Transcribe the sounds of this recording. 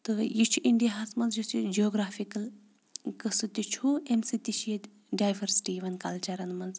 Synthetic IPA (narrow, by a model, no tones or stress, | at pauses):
t̪ɨjit͡ʃʰuʔiɳɖijaɦasmɐnzjusid͡ʒioɡɾaːfʰikɐl | kəsɨt̪ʲit͡ʃʰuemsit̪iʃʰjed̪ | ɖajbʱɐɾsi̥ʈijʋɐnka̰lt͡ʃɐɾɐnmɐnz